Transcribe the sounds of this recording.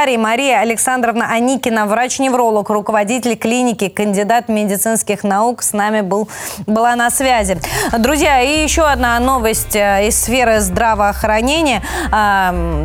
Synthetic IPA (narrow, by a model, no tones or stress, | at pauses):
ɾʲɪmɐɾʲijəɐlʲɪksand̪ɾəvnəʔɐnʲikʲɪnəvɾat͡ɕnʲɪvɾo̞lˠəkrʊkəvɐdʲitʲɪlʲklʲinʲɪkʲɪkənʲdʲɪd̪at̪mʲɪdʲɪt̪sɨnskʲɪxnɐuksnamʲɪbɨlˠbɨlˠanɐsvʲæzʲɪd̪ɾʊzʲjaijɪɕːo̞ɐd̪nano̞vəsʲtʲɪsːfʲe̞ɾɨzd̪ɾavəːxɾɐnʲenʲɪjə